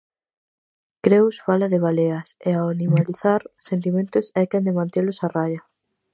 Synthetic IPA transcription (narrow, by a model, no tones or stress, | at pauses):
kɾewsfalɐðɪβaleɐseaanimaliθaɾsent̪̬imẽnt̪osɛkend̪emãnt̪elosarajɐ